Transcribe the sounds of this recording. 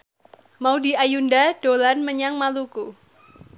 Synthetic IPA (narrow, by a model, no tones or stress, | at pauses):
maudiajundad̥olanməɲaŋmaluku